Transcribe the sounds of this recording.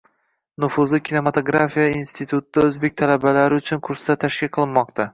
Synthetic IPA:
nʊfʊzɪkʲʰine̞mat̪ʰoɡɾafijainst̪ʰit̪ʰʊt̪ɪd̪aɵzbe̞k̚ʲt̪ʰalabalaɾɪʊt͡ʃʰʊnkʰʊɾsɪd̪at̪ʰaʃkʲɪlqʰɨlˠɪnmɒq̚t̪ʰa

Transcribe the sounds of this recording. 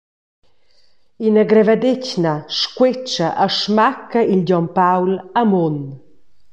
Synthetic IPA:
inaɡɾɛvad̪ecnaʃkwet͡ʃaʔaʃmakəilɟɔmpawlamon

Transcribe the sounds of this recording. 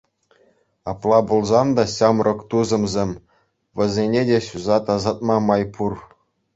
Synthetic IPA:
ɑplˠɑbulˠzɑnd̪ɑɕɑmrʔɤ̆kt̪uzɤ̆mzʲemʲ | ʋʲɘ̆zʲenʲedʲeɕuzɑt̪ɑzɑt̪̚mɑmɑjpur

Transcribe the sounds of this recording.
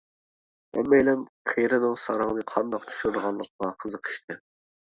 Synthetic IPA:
ɛ̰mːɛjlɛnqʰejɾɨnɨŋsɑɾɑŋnɨqʰɑnd̪ɑq̚t̪ʰy̥ʃuɾd̪ʁɑnlˠəq̚ʰmɑqʰəzəqʰə̥ʃt̪ʰɨ

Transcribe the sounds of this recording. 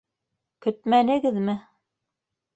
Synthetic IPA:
kɵt̪mænɘ̆ɡɘðmɘ

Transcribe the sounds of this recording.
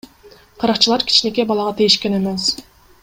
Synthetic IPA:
qʰɑɾɑqt͡ʃɯlˠɑɾkʲʰi̥t͡ʃne̞ke̞bɑlˠɑʁɑt̪ʰijiʃkene̞me̞s

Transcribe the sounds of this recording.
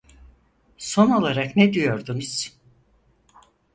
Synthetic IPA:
so̞no̞lˠaɾaknɛd̪ijo̞ɾd̪unuz̥

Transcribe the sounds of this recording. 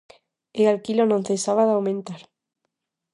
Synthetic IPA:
ealkilonõn̟θesaβaðawmẽnt̪aɾ

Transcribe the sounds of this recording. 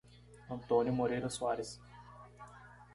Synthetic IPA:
ɐ̃nt̪onʲjʊmoɾeɾɐsuaɾes

